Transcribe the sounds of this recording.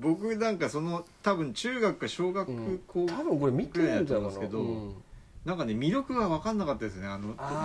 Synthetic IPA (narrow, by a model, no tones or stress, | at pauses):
bo̞kɯ̟nãŋkaso̞no̞t̪abɯ̟̃ɲt͡ɕɨːɡakɯ̟ɡaɕo̞ːɡakɯ̟kʰoːt̪abɯ̟̃ŋkoɾemʲit̪ɯeaːanesɨke̞d̪o̞ | nãŋkane̞mʲiɾo̞kɯ̟ɡaβakãnːakat̪ːad̪esɨoneano̞